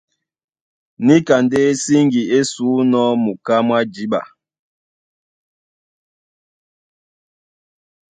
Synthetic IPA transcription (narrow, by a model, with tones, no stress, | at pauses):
ni˦ka˨nde˦si˦ŋɡi˨e˦suː˨˦nɔ˦mu˨ka˦mwa˦d͡ʒi˦ba̰˨